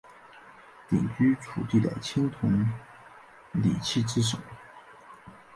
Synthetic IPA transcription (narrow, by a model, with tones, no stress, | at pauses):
t̪ḭ˨˩ŋt͡ɕy˥ʈ͡ʂʰṵ˨˩t̪i˥˩d̪ə̰˩t͡ɕʰi˥nt̪ʰʊ˧˥ŋ | lḭ˨˩t͡ɕʰi˥˩ʈ͡ʂɻ̩˥ʂo̰˨˩˦